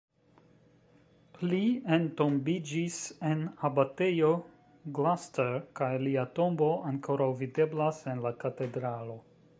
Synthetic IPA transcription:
liento̞mbid͡ʒise̞nabate̞jo̞ | ɡlasteɾkajliato̞mbo̞aŋkʰo̞ɾawvide̞blase̞nlakate̞dɾalo̞

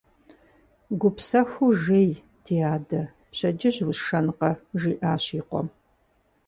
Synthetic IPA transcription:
ɡʷʊpsɐxuʒeːj | tʰiːaːdɐ | pɕɐd͡ʒɪʑwʊsʂɐnqɐʒiːʔaːɕiːqʷɔ̰m

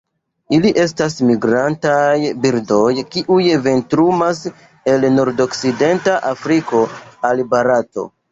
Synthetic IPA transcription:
iliʔe̞stasmiɡɾantajbiɾdo̞jkiʔujve̞ntɾumas | e̞lnoɾdo̞kside̞ntaʔafɾiko̞albaɾato̞̰

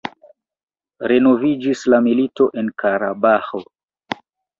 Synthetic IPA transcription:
ɾe̞no̞vid͡ʒislamilito̞ʔe̞nkaɾabaxo̞

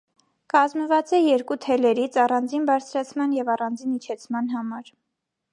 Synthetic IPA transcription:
kɑzməvɑt͡sɛjɛɾkut̪ʰɛlɛɾit͡sʰɑrɑnd͡zinbɑɾt͡sʰɾɑt͡sʰmɑnjɛvɑrɑnd͡zinit͡ʃʰɛt͡sʰmɑnɦɑmɑɾ

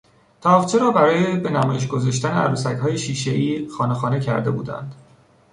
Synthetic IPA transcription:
t̪ʰɒːft͡ʃʰeɾɒːbæɾɒːjebe̞næmɒːjeʃ̬ɡo̞zɒːʃt̪æneæ̰ɾuːsæchɒːje̞ʃiːʃe̞ʔiːxɒːnexɒːne̞cʰæ̰ɾd̪e̞̰bṵːd̪æ̰nd̪̥

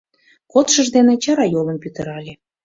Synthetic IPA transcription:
kot̪ʃəʒd̪enet͡ɕɑɾɑjolˠə̆mpyt̪ə̆ɾɑlʲe

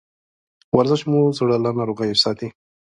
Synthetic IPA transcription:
waɾzɪʃmuzoɽalanɑɾoɣajsɑt̪i

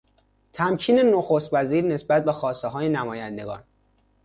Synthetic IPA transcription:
t̪ʰæmcʰiːne̞noxost̪væziːɾne̞sbæt̪̚bexɒːst̪eɦɒːjenæmɒːjænd̪e̞ɡɒ̰ːn

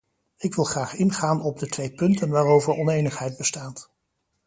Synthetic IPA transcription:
ɪkʋɪlˠχraːχɪnχaːnɔb̚dətʋejpɵntənʋaːrowvəɹɔnejnəχɦɛjd̚bəstaːt

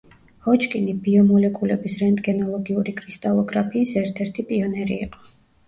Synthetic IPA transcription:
hɔt͡ʃkʼinibiɔmɔlɛkʼulɛ̰bisɾɛnt̪ʼɡɛnalˠɔɡiuɾikʰʼɾist̪ʼalˠɔɡɾapʰiːsɛɾt̪ʰɛɾt̪ʰipʼiɔnɛɾḭːqʼɔ̥

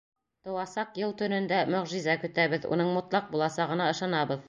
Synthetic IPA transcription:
t̪ŏwɑsɑqjɤlˠt̪ɵ̆nɵ̆nd̪æmɵ̆ʁʒizækɵ̆t̪æβɘðṵnɤɴmŏt̪lˠɑq̚bulˠɑsɑʁɤ̆nɑɤ̆ʃɑnɑβɤð

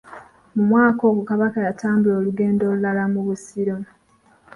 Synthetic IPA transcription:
mumwaːko̞ːɡukaβakajataːmbulo̞ːluɡe̞ːndolulalamuβusiɾo

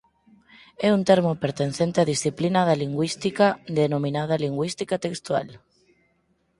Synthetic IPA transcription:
ɛunt̪eɾmopeɾt̪enθent̪eaðisθiplinaðaliŋɡwist̪ikad̪enomĩnað̞ɐliŋɡwist̪ikat̪ekst̪wa̰l

